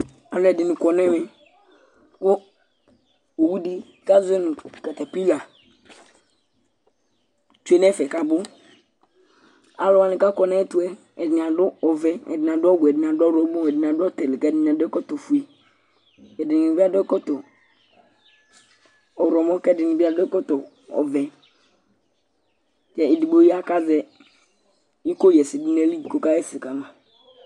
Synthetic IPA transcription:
a˨lʊ˦ɛ˨dɪ˨nʊ˨kɔ˨nɛ˦mɛ˨ | ko˦ | o˨wu˦di˦ | ka˦zʊ˦ɛ˦nʊ˨kɛ˨tɛ˨pi˦la˨ | t͡ʃu˦e˦n˦ɛ˦fɛ˨ka˨bʊ˦ | a˨lʊ˦wa˨nɪ˨ka˦kɔ˨nɛ˦tu˦ɛ˦ | ɛ˨dɪ˨n˨a˨dʊ˦ɔ˨vɛ˦ɛ̰˨dɪ˨na˨dʊ˦ɔ˦ɡʊ˨ɛ˨dɪ˨n˨a˨dɔ˦ɾɔ˦bɔ˦˨ɛ˨dɪ˨a˨dʊ˦ɔ˦tɛ˨lɪ˨kɛ˦˨dɪ˨n˨a˨dɛ˦kɔ˦to˨fu˨e˨ | ɛ˨dɪ˨n˨ɪ˨bi˦a˦dʊ˦ɛ˦kɔ˦tɔ˨ | ɔ˨ɾɔ˨mɔ̃˦kɛ˦˨dɪ˨nɪ˨bi˦a˨dʊ˦ɛ˦kɔ˦tɔ˨ | ɔ̰˨vɛ˨ | t͡ʃɛ˦ɪ˨di˨bo˦ji˦a˦ka˦zɛ˦ | i˦ko˦jɛ˨sɪ˨dʊ˦nɛ˦li˦˨ko˦ka˦ɛ˦fɪ˨ka˨mã˨

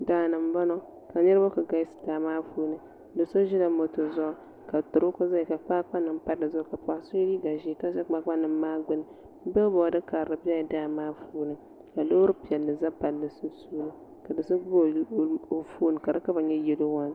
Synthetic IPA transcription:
daː˨˦˨nɨ˨m˦bɔ˦nɔ˦ | ka˨ɲɛ˦ɾbo˦ka˨ɡa˦sɨ̥˨taː˨maː˦fuː˦nɨ˨ | dɨ˨so˦ʒi˦la˨mo˨to˨zɔ˦ | ka˨tʊ˨ɾʊ˦kʊ˦za˦ɛ˨ka˨k͡pa˦k͡pa˦nɨ˨m˦pa˦ɾɨ˨zo˦ka˨pa˨so˦liː˦ɡa˨ʒi˦ka˦a˦k͡pa˦k͡pa˦nɨ˨mː˦aː˦ɡ͡bɨ˦nɨ˨˦ | bɛ˦bɔ˨dɨ˦ka˨ɾɾɨ˨bi˦ɛ˦jɛ˨daː˦˨maː˦fuː˦nɨ˨ | ka˨lo˦ɾɨ˦pi˨ɛ˨lːɨ˨za˦pa˨lːɨ˨su˦suː˦lɨ˦ | ka˨dɨ˨so˦bo˦˨o˨fuː˦nɨ˨ka˨dɨ˦ka˦ba˨ɲɛ˦jɛ˦lo˦wa˦n˦

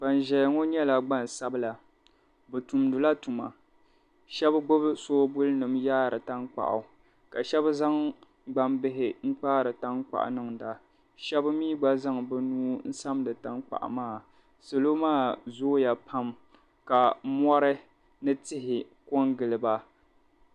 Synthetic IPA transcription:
ba˨n˨ʒɛ˨lŋo˦ɲɛ˦la˨ɡ͡ba˦n˨sa˦bɨ˦la˨ | bɛ˨tu˨mdʊ˨la˦tu˨ma̰˨ | ʃɛ˦bɡ͡bʊ˦bɨ˦soː˦bʊ˦lɨ˦nɨ˨mjaː˦ɾɨ˨ta˦ŋk͡pa̰˨ʔa̰˨ | ka˨ʃɛ˦bza˦ŋ | ɡ͡ba˦mbɪ˦ɦɪ˨ŋ̩˦k͡paː˦ɾɨ˨ta˦ŋk͡pa̰˨ʔa̰˨nɨ˦ŋda˨ | ʃɛ˦bmiː˦ɡ͡ba˦za˦ŋbɨ˦nuː˦n̩˦sa˦mdɨ˨ta˦ŋk͡pa̰˨ʔa̰˨maː˦˨ | so˨lo˦maː˦zoː˦ja˨pʰa˦m | ka˨mɔ˦ɾɨ˦ | nɨ˦tɪ˦ɦɪ˨ | kɔ˦ŋɡɨ˨lɨ˨ba˦

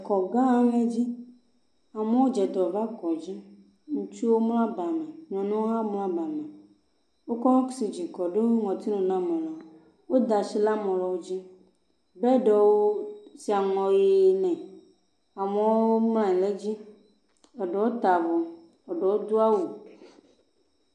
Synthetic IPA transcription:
kɔ˨ɡã˦a˦ŋ˦e˦d͡ʑi˦ | a˨me˦wo˦d͡ʒɛ˨d̪ɔ˨va˦kɔ˨d͡ʑi˦ | ŋũ˦t͡ʃi˦wo˦mlã˦ba˨mɛ̃˨ɔ̃˨nũ˦wo˦ɦa˦mlã˦ba˨mɛ̃˨ | wo˦kɔ˦wɔ̃˦ksi˨d͡ʑi˨kɔ˨ɖe˦wo˦ŋɔ̃˨t̪i˦nũ˨nã˦mɔ̃˨la˨ | wo˦d̪a˨si˦la˦mɔ̃˨lɔ˨wo˦d͡ʑi˦ | bɛ˦ɖɔ˨wo˦si˨a˨ŋɔ̃˨je˨nɛ̃˨ | a˨mɛ̃˨wwo˦mlã˦ɛ̃˨le˦d͡ʑi˦ | ɛ˨ɖɔ˨wo˦t̪a˨vɔ˨ | ɔ˨ɖɔ˨wo˦d̪o˦a˦wo˨

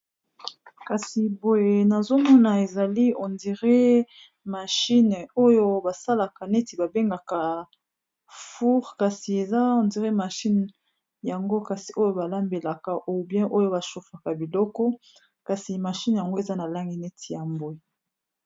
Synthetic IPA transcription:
ka˨si˨bo˨je˨na˨zo˦mɔ˦na˨e˨za˨li˦ɔ˨ndi˨ʁe˦ | ma˨ʃi˦n˨o˦jo˦ba˨sa˦la˨ka˨ne˦ti˨ba˨be˦ŋɡa˨ka˨ | fu˦ʁka˨si˨e˨za˦ɔ˨ndi˨ʁe˦ma˨ʃi˦n | ja˨ŋɡo˦ka˨si˨ʔo˦jo˦ba˨la˦mbe˨la˨ka˨ʔo˨bjɛ̃˦ʔo˦jo˦ba˨ʃu˨fa˨ka˨bi˨lɔ˦kɔ˦ | ka˨si˨ma˨ʃi˦n˨ja˨ŋɡo˦e˨za˦na˨la˦ŋɡi˦ne˦tʰi˨ja˨mbo˨e˨

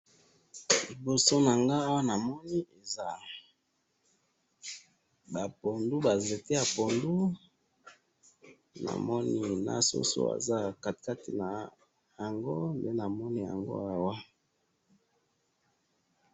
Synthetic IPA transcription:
li˨bo˨so˦na˨ŋɡa˦a˦wa˦na˨mɔ˦ni˦e˨za˦ | ba˨po˨ndu˦ba˨ze˨te˦a˨po˨ndu˦ | na̰˨mɔ˦ni˦na̰˦so̰˦so̰˦a̰˨za˦˨ka˨tka˦tḭ˨na˨ | ja˨ŋɡo˦nde˦na˨mɔ˦ni˦ja̰˨ŋɡo̰˦a˦wa˦

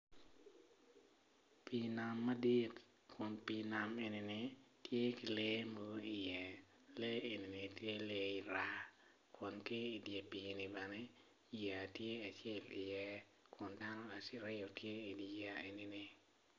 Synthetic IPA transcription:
pi˨na˨mːa˦di˦t | kʰʊ˨npi˨na˨me˨ni˨nɪtje˦kɪ˨le˦mo˦ɡi˨jɛ˨ | le˦e˨ni˨nɪ˨tje˦le˦i˨ɾa˦ | kʰʊ˨nkɪː˦˨dje˨pi˨nɪ˨ba˨nɪ˦ | ja˨tje˦a˨t͡ʃjɛ˦lɪ̰˨jɛ˦ | kʰʊ˨nda˦nɔ˦a˨ɾɪ˦o˨tje˦i˨di˨ja˦e˨ni˨nɪ˨

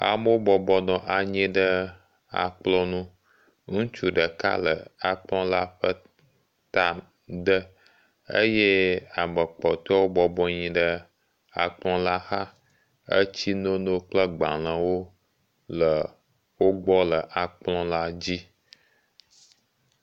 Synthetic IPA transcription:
a̰˨mo˦o˦bɔ˨bɔ˦nɔ̃˨ʔa˨ɲɛ̃˦ɖə˦ | a̰˨k͡plɔ̃˦nũ˦ | ŋũ˦t͡ʃu˦ɖə˨ka̰˦lə˨a˨k͡plɔ̃˦la˦ɸə˦ | t̪a˨ | ɖə˦ | ə̰˦jɛ˦a˨mə˨k͡pɔ˨t̪ɔ˦wo˦bɔ˨bɔ˦ɲĩ˨ɖə˦ | a̰˨k͡plɔ̃˦la˦xa˦ | ə̰˦t͡ɕi˦nõ˦no˦k͡plə˦ɡ͡ba̰˨l̃ə̃˨wo˦ | lə˨ | wo˦ɡ͡bɔ˦lə˨ʔa˨k͡plɔ̃˦la˦d͡ʑi˦

